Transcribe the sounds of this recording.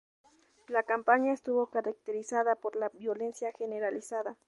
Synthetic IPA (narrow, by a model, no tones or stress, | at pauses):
lakampaɲaest̪uβokaɾak̚t̪eɾisaðapoɾlabjo̞le̞nsjaxeneɾalisaða